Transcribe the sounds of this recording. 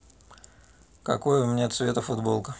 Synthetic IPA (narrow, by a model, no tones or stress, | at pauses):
kɐ̰ko̞jəʊmʲnʲet̪svʲe̞t̪əfʊd̪bo̞lˠkə